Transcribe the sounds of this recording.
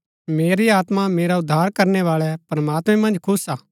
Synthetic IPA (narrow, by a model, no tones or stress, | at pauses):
meːɾiaːt̪mameːɾaʊd̪ʱːaːɾkɐɾnɛʋaːɭɛpɾɐmaːt̪mɛ̃mɐ̃nd͡ʒkʰʊsaː